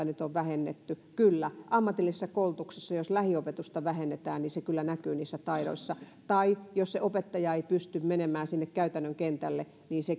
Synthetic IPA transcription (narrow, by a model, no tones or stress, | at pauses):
ɑnyt̪oʋʋæhenːḛt̪ːykylːæʔɑmːɑt̪ilːisesːɑkoult̪uksesːɑjoslæhiopet̪ust̪ɑʋæhenːet̪æːnniːsekylːænækyːniːsːæt̪ɑiɾo̰isːɑt̪ɑijosseʔopet̪ːɑjɑeipyst̪ymmenemæːsinːekkæyt̪ænːøŋkent̪ælːe | niːse